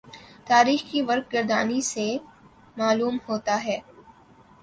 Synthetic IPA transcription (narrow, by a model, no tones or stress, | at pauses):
t̪aːɾiːxkiʋɐɾk̚ɡɪɾd̪aːnise | maːluːmhoːt̪aɦɛː